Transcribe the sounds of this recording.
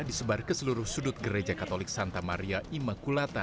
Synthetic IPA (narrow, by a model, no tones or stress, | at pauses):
disəbarkəsəluɾʊhsudʊt̪̚ɡəɾed͡ʒakat̪olɪk̚sant̪amaɾiaʔimakulat̪a